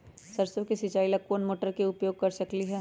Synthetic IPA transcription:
sɐɾsõkesɪt͡ʃaːilɐkːunmoːʈəɾkeʊpjoːɡ̚kɐɾsɐkliɦɛː

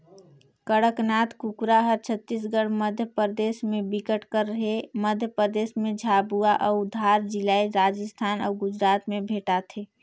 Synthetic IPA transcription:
kəɽəknaːt̪kukɾaɦəɾt͡ʃʰət̪ːis̬ɡəɽməd̪ʱjəpəɾd̪eːsmẽbɪkəʈkəɾːəɦeməd̪ʱjəpəd̪eːsmẽd͡ʒʱaːbuaʔɔːʊd̪ʱaːɾd͡ʒɪlaːiɾaːd͡ʒəst̪ʰaːnɔ̰ːɡʊd͡ʒɾaːt̪mẽbʱeːʈat̪ʰeː

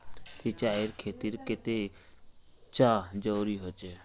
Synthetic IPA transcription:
sit͡ʃaːɪɾkʰeːt̪iɾket̪e | t͡ʃaːd͡ʒəɾuɾiɦot͡ʃe

